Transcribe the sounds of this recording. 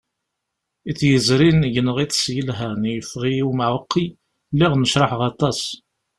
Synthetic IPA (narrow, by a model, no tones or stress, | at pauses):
iθjəzɾinʝənəʁiθsjəlɦænjəfʁiumʕəqʰːi | liʁnəʃɾˤɑħʁɑt̪ˤɑs